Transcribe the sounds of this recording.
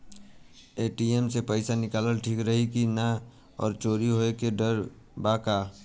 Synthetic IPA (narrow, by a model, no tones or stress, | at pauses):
eːʈiemsepəɪsanɪkaːləlʈʰiːkɾəɦikina | ɔ̰ːɾt͡ʃoːɾiɦoekeɖəɾ | baːkaː